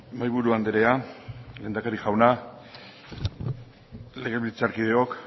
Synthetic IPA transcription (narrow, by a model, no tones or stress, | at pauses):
majβuɾuand̪eɾe̞ale̞nd̪akaɾiʝawna | le̞ɣeβilt͡saɾkiðeo̞k